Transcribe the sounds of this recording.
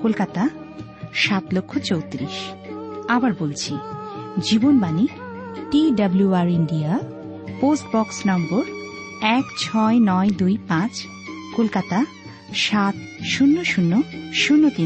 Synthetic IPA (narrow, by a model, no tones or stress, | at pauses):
kolkat̪a | ʃat̪lokʰːot͡ɕowt̪ɾiʃ | abaɾbolt͡ɕʰid͡ʑibonbani | ʈiɖabluaɾiɳɖia | posʈ̚bɔksnɔmboɾ | ɛkt͡ɕʰɔenɔed̪ujpãt͡ɕ | kolkat̪a | ʃat̪ | ʃunːoʃunːoʃunːot̪i